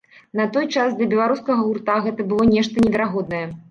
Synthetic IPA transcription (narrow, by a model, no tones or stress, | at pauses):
nɐt̪ɔjt͡ʂasd̪lʲɐbʲɛlˠaɾuskɐɣɐɣurt̪aɣɛt̪ɐbɨlˠɔnʲɛʂt̪ɐnʲɛvʲɛɾaɣɔd̪̚nɐjɛ